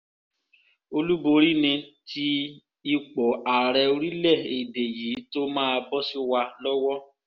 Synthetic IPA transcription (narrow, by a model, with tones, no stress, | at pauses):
o˧lu˦bo˧ɾi˦nĩ˧ti˧ | i˧k͡pɔ˨a˨ɾɛ˧o˧ɾi˦lɛ˦˨e˨de˨jiː˨˦to˦mãː˦˧bɔ˦si˦wa˧lɔ˦wɔ˦